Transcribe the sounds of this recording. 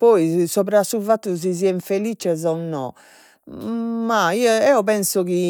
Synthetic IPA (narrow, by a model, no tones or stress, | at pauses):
pɔjsɔβɾasuvat̪ːuz̬iziɛɱfelit͡ʃɛzɔnːɔ̰ | maiɔɛɔpɛnsɔki